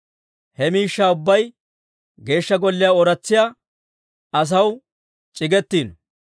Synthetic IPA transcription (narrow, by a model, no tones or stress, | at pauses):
hɛmiːʃːaːʊbːɐj | ɡe̞ːʃːɐɡɔlːɪjaɔɾɐt͡sːɪjaː | ɐs̬ɐw | t͡ʃʼɪɡɛt̪ːiːn